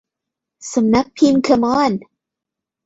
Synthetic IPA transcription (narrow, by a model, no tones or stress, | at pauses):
sə̃mnapʰimkʰʌmɑn